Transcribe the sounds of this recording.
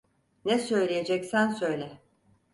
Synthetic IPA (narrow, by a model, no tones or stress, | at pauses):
nɛsø̞jlʲijed͡ʒɛcsænsø̞jlʲɛ